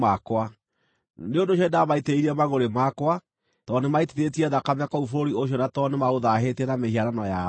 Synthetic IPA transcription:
makwa | neondoʃ̬jɔedaβaiteiɾiɛmaɣoɾemakwa | tɔnemaitiðet̬iɛðakameakɔufoɾoɾioɕ̬jɔnatɔnemaoðaɦetiɛnamehiaɾanɔja

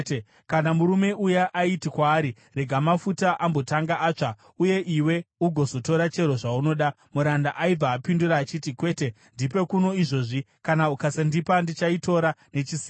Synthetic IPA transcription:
kanamuɾume̞ʔujaʔaitikwaːɾi | re̞ɡʱamafutaʔambo̞taŋɡaʔaːt͡ʂa | uje̞ʔiwe̞uɡʱo̞zo̞to̞ɾat͡ʃe̞ɾo̞ʐauno̞ɗa | muɾandaʔaib͡vaːpinduɾaːt͡ʃitikwe̞ːte | ndipe̞kuno̞iʐo̞ːʐi | kanaukasandipandit͡ʃaito̞ɾane̞t͡ʃisi

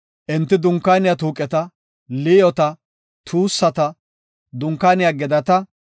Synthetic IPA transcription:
ʔɪnt̪ːɪd̪ʊŋkːaːnɪjat̪uːkʼɛt̪ɐ | liːjɔt̪ɐ | t̪ʰuːsːɐt̪ɐ | d̪ʊŋkːaːnɪjaɡɛd̪ɐt̪ɐ

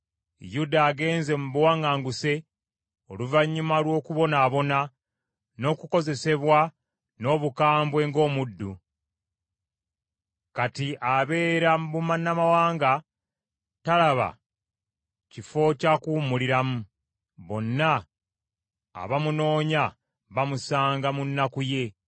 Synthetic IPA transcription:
judaːɡe̞ːnze̞muβuwaːŋɡaːŋɡuse̞ | o̞̰luvaɲːumalwo̞ːkuβo̞naːβo̞na | no̞ːkuko̞ze̞se̞βwa | no̞ːβukaːmbwe̞ːŋɡo̞ːmudːu | katiʔaβe̞ːɾambumanːamawaːŋɡa | talaβa̰ | cifo̞cakuːmuliɾamu | βo̞nːa | βamuno̞ːɲa | βamusaːŋɡamunːakuje̞

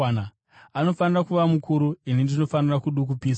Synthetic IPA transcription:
a | ano̞fanirakuʋamukuɾuinindino̞fanirakuɗuk̬upiːs

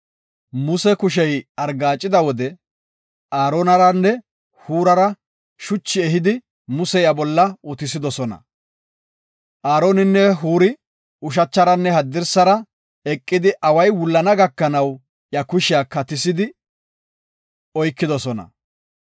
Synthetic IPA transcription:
mʊsɛkʊʃ̬ɛjɐɾɡaːt͡ʃʼːɪd̪ɐwɔd̪ɛ | ʔaːɾoːnɐɾɐnːɛ | huːɾɐɾɐ | ʃʊt͡ʃːɪɛɦɪd̪ɪ | mʊsɛjɐbɔlːɐʊt̪ɪs̬ɪd̪ɔsɔnɐ̰ | ʔaːɾoːnɪnːɛɦuːɾɪ | ʊʃ̬ɐt͡ʃːɐɾɐnːɛɦɐd̪ːɪɾsɐɾɐ | ɛkʼːɪd̪ɪʔɐwɐjwʊlːɐnɐɡɐkːɐnɐw | jɐkʊʃɪjaːkːɐt̪ɪsɪd̪ɪ | ɔjkːɪd̪ɔsɔnɐ̰

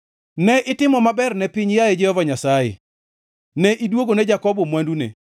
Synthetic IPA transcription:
nɛʔɪtɪmɔmabɛrnɛpiɲjajɛd͡ʒɛhɔvaɲasajɛ̰ | nɛʔidwoɡonɛd͡ʒakɔbɔmwandunḛ

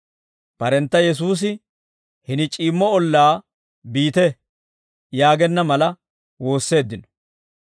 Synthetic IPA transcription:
pɐɾɛnt̪ːɐjɛs̬uːs̬ɪ | hɪnɪt͡ʃʼiːmːɔɔlːaː | biːt̪ɛ | jaːɡɛnːɐmɐlɐ | wo̞ːsːe̞ːd̪ːɪnɔ̥

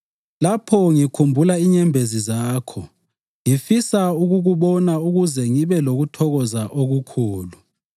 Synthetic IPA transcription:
lapʰɔŋikʰumbʱulaiɲɛmbʱezizaːkʰɔ | ŋifisauɣuɣuβɔnauɣuzɛŋiβɛloɣutʰɔɣɔzaʔoɣukʰuːlu

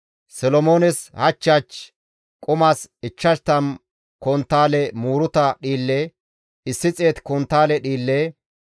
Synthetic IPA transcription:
sɔlɔmo̞ːnɛshɐt͡ʃːat͡ʃ | kʼʊmaːsɪt͡ʃːɐʃt̪ɐn | kɔnt̪ːaːlɛmuːɾʊt̪ɐɗiːlːɛ | ɪsːɪt͡sʼe̞ːt̪kɔnt̪ːaːlɛɗiːlːe

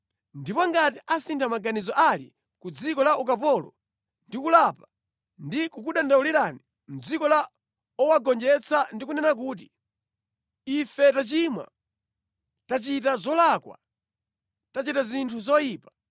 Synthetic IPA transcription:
ndipɔŋɡatiʔasintʰamaɡanizɔʔalḭ | kud͡zikɔlaʔukapɔlɔ̰ | ndikulapa | ndikukuɗandauliɾani | m̩d͡zikɔla | ɔwaɡɔnd͡ʒɛt͡sʰandikunɛnak̬uːt̬i | ifɛtat͡ʃimwa̰ | tat͡ʃitazɔlakwa̰ | tat͡ʃitazintʰuzɔjiːpḁ

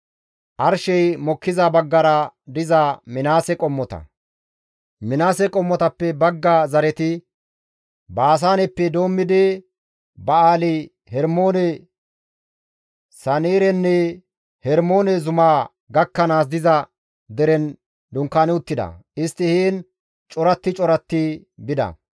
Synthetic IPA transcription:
ʔɐɾʃɛjmɔkːɪzɐbɐɡːɐɾɐd̪ɪzɐmɪnaːsɛkʼɔmːɔt̪ɐ̰ | mɪnaːsɛkʼɔmːɔt̪ɐpːɛbɐɡːazɐɾɛt̪ɪ | baːs̬aːnɛpːɛd̪oːmːɪd̪ɛ | bɐaːlɪ | hɛɾmoːnɛ | sɐneːɾɛnːɛ | hɛɾmo̞ːnɛzʊmaː | ɡɐkːɐnaːs̬d̪ɪzɐ | d̪ɛɾɛn | d̪ʊŋkːaːnɛʊt̪ːɪd̪ɐ̰ɪst̪ːɪhiːn | t͡ʃʼɔɾɐt̪ːɪt͡ʃʼɔɾɐt̪ːɪ | bɪd̪ɐ̰

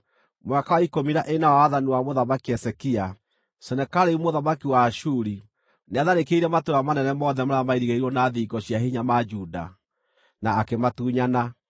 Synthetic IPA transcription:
mwakawaikomiɾaʔenawaaðaniwamoðamakiɛsɛkia | sɛnɛkaɾeumoðamakiwaʃuɾi | neaðaɾekeiɾɛmatoɾamanɛnɛmɔðɛmaɾamaiɾiɣeiɾwɔnaðiːɡɔɕiaɦiɲamad͡ʒuda̰ | naːkematuːɲana

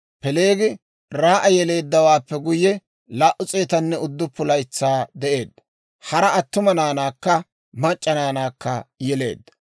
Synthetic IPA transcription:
pɛle̞ːɡɪ | ɾaːʔɐjɛle̞ːd̪ːɐwaːpːɛɡʊjːɛ | laːʔʊt͡sʼe̞ːt̪ɐnːɛʊd̪ːʊpːʊlɐjɪt͡sːaːd̪ɛʔeːd̪ːɐ̥ | hɐɾɐɐt̪ːʊmɐnaːnaːkːɐ | mɐt͡ʃʼːɐnaːnaːkːɐ̰jɛle̞̰ːd̪ːɐ̥

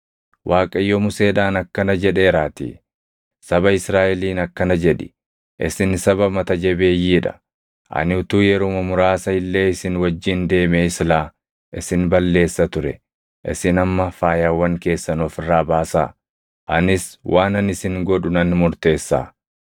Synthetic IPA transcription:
wʔaːkʼɐjːɔmʊse̞ːᶑaːnɐkːɐnɐd͡ʒɛᶑe̞ːɾaːt̪ḭː | sɐbɐɪsɾaːʔɛliːnɐkːɐnɐd͡ʒɛᶑɪ̥ | ʔɪ̰sɪnsɐbɐmɐt̪ɐd͡ʒɛbe̞ːjːiːᶑɐ̰ | ʔɐ̰nɪʊt̪uːjɛɾomɐmʊɾaːsɐɪlːe̞ːɪsɪnwɐd͡ʒːɪnd̪e̞ːmeːɪslaː | ʔɪsɪnbɐlːe̞ːsːɐt̪ʊɾɛ̰ | ʔɪ̰sɪnɐmːɐfaːjaːwːɐŋke̞ːsːɐnɔfɪrːaːbaːsaː | ʔɐnɪswʔaːnɐnɪsɪŋɡɔᶑʊnɐnmʊɾt̪e̞ːsːa̰ː

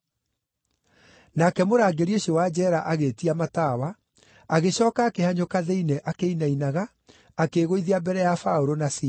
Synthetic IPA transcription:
nakɛmoɾaːɡeɾioɕowad͡ʑɛɾaʔaɣetiamatawa | aɣeɕɔːkaːkehaɲokaðeinɛʔakeinainaɣaː | keɣoiðiabɛɾɛjafaoɾonasi

